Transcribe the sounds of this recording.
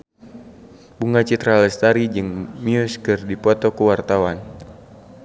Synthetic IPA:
b̥uŋat͡ʃit̪ɾalɛst̪aɾid͡ʒɨŋmiuskərdipɔt̪ɔkuwart̪awan

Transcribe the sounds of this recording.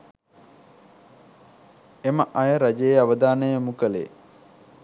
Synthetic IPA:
eməʔajəɾad͡ʒejeaʋəd̪aːnəjəmukəlḛ

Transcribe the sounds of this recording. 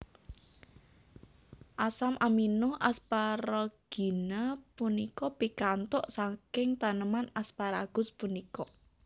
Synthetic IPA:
ʔasamʔaminoʔaspaɾɔɡ̥i̤napunikɔpikant̪ʊʔsaŋkɪŋt̪anəmanaspaɾaɡ̥ʊ̤spunikɔ

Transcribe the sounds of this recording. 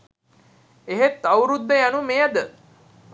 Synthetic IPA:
eɦet̪ːawɾud̪ːəjanumejad̪ə

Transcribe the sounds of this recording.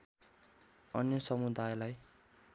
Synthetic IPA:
ʌnjʌsʌmud̪ajlaj

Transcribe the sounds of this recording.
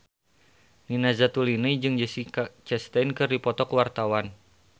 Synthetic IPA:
ninazat̪ulinəjd͡ʒɨŋd͡ʒəsit͡ʃɛst̪ɛnkɨrdipɔt̪ɔkwart̪awan

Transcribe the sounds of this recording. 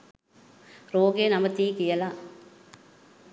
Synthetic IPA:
ɾoːɡenɐmɐt̪ːiːkijɐla

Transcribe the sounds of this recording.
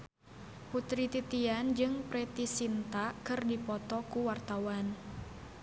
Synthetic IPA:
put̪ɾit̪it̪iand͡ʒɨŋpɾɛt̪isint̪akɨrdipɔt̪ɔkuwart̪awan

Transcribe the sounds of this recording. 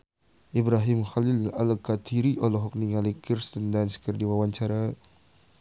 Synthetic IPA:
ʔibɾaɦimxalilalkat̪ʰiɾiʔɔlɔɦɔk̚niŋalikirst̪ɔndansə̥kərdiwawant͡ʃaɾa

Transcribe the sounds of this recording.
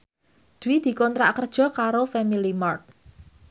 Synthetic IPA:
d̪̥uwid̪̥i̤kɔnt̪ɾa̰kərd̥ʒ̥ɔ̤kaɾofɛmilimɔrt̪̚

